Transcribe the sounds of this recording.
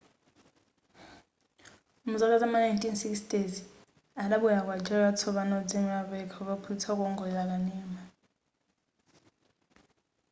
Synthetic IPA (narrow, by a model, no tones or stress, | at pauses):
um̩zak̬azamanajntʼinsiksdezi | alaɓujak̬ʼwad͡ʒɛlat͡sʰɔɓanɔd͡zʼemaɓɛkʰauɓ̬ʼapʰutʰak̬ʼɔŋɡʱɔjak̬ʼaniːma